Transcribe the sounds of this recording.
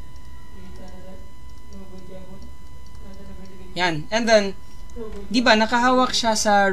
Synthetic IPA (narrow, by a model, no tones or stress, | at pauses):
janɛnd̪ɛn | d̪ɪbanɐkɐɦaːwɐk̚ʃasɐ